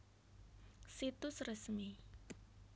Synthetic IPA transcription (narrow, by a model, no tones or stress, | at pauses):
sit̪ʊsrəsmi